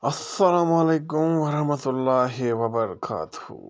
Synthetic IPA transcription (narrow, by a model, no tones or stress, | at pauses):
ɐsːɐlaːmɐleːkʊmwɐɾɐhmɐt̪ʊlːaːɦiʋɐbɐɾɐkʰa̰ːt̪uhṵː